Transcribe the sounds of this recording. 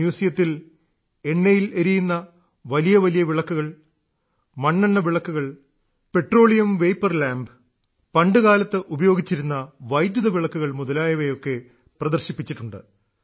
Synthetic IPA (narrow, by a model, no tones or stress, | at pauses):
juːsijɐt̪ːil | e̞nːejilɐɾijunːɐ | ʋɐlijɐʋɐlijɐʋiɭɐkːuɣɐɭ | mɐɳːɐɳːɐʋiɭɐkːuɣɐɭ | pe̞ʈro̞ːɭijɐmʋe̞jpːɐrlaːmb | pɐɳɖɨɣaːlɐt̪ːɨʔubɐjo̞ːɡit͡ɕːiɾunːɐʋɐjd̪jɐðɐʋiɭɐkːuɣɐɭmuðɐlaːjɐʋejo̞kːe̞ | prɐðɐrɕipːit͡ɕːiʈːuɳɖɨ̰